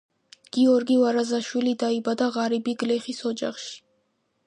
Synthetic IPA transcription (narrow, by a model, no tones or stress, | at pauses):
ɡ̥iɔɾɡivaɾazaʃwilid̪aibad̪aʁaɾibiɡlɛχisɔd͡ʒaχʃi̥